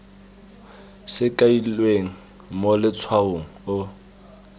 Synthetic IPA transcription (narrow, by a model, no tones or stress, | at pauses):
sɪkʼailweŋ̩ | molɪt͡sʰwaoŋ̩ʊ